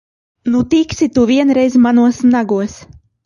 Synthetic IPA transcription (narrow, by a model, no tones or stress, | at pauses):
nut̪iksʲit̪uviɛnɾɛjzmanuɔsnaɡuɔs